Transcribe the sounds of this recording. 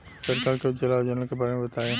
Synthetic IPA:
səɾkaːlket͡ʃəlaːd͡ʒanəlkebaːɾemẽbɐt̪aːẽː

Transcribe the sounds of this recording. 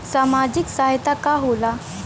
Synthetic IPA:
samad͡ʑiksaɦjt̪akaɦola

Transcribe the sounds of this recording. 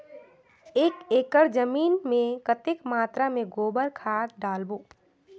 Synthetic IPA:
eːkeːkəɾd͡ʒəmiːnmẽkət̪ekmaːt̪ɾamẽɡoːbəɾkʰaːɾɖaːlbuː

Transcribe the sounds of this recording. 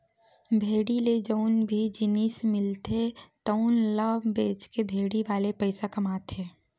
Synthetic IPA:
bʱeːɽiled͡ʒəʊnbʱid͡ʒɪnismɪlt̪et̪əʊnlabeːt͡ʃkebʱeːɽiʋaːlepəɪsakɐmaːt̪ɦeː

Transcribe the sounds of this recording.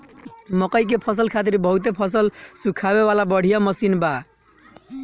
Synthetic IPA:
mʌkəjk̬epʰʌs̬əlkʰat̪iɾbʌɦut̪epʰʌsəlsukʰaβewalabʌɽ̤ijamʌsinba

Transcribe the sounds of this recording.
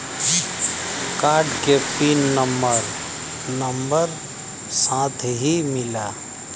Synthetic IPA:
kaːɾɖkepiːnːəmbəɾ | nəmbəɾ | sãːt̪ʰɦimɪlaː

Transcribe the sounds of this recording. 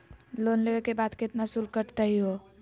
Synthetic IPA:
lonleʋekebad̪ket̪nasulkəʈt̪əɦiɦo

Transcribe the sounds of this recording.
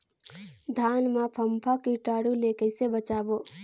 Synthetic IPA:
d̪ʱaːnmapʰɐmpʰakiʈaːɽuleːkɐjsebɐt͡ʃaːbo

